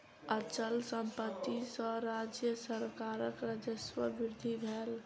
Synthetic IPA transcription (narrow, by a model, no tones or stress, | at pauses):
ət͡ʃəlsə̃mpət̪ːisə̃ɾad͡ʒjəsəɾkaɾəkɾəd͡ʒəswəbɪɾd̪ʱibʱɛːl